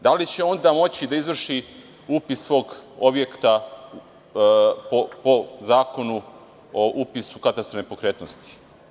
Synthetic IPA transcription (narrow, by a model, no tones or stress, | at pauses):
d̪alit͡ɕe̞o̞nd̪aːmo̞t͡ɕid̪aizʋr̩ʃi | upisʋo̞ːɡo̞bjekt̪a | popozaːko̞nu | oʔupisukat̪ast̪ɾonepo̞kɾeːt̪nost̪i̥